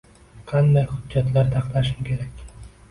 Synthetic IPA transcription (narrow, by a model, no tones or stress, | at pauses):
qʰɑnd̪ajχʊdːat̪laɾt̪ʰɑqlaʃɪmkʲʰe̞ɾakʲ